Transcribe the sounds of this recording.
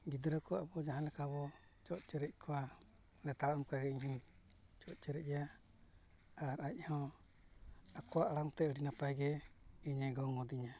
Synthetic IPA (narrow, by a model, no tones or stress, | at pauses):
ɡid̪ɾakʰɔa̰bɔd͡ʒaɦanlɛkabɔ | t͡ʃɔʔt͡ʃɛɾɛc̚kʰɔwa | lɛt̪aɾmkaɡɛiɲɦi | t͡ʃɔʔt͡ʃɛɾɛja | aɾaʔhɔ | akɔwaʔlaŋt̪ɛəɾinapajɡɛiɲɛɡɔŋɔd̪iɲa